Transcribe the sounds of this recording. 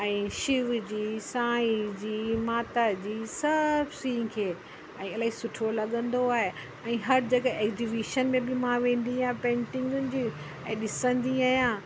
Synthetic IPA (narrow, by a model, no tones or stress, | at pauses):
ɛ̃ːʃɪʋd͡ʑiːsãːid͡ʑiːmaːt̪ad͡ʑiːsɐbsĩːkʰeː | ɛ̃ːɐlaːɦisʊʈʰolɐɠə̃nd̪oaːɦe | ɛ̃ːɦɐɾd͡ʑɐɡəeːkziʋiʃənmẽbɪmãʋẽːn̆d̪iaãpẽːɳʈɪ̃ŋɡʊnɪd͡ʑiː | ɛ̃ːɗɪsə̃nd̪iaːɦjã